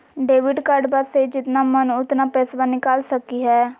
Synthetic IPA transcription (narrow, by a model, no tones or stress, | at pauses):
ɖeːʋɪɖkəɾɖbaːsed͡ʒɪt̪naːmənʊt̪naːpɛːsʋaːnɪkaːlsəkiːɦɛː